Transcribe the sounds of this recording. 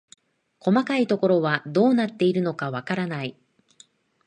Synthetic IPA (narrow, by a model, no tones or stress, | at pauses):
ko̞makait̪o̞ko̞ɾo̞βad̪o̞ːnat̪ːe̞iɾɯ̟no̞kaβakaɾanai